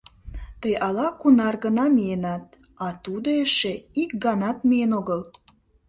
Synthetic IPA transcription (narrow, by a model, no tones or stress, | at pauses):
t̪əjʔɑlɑkunɑrɡənɑmienɑt̪̚ | ɑt̪ud̪oeʃeik̚ɡɑnɑt̪mienoɣəl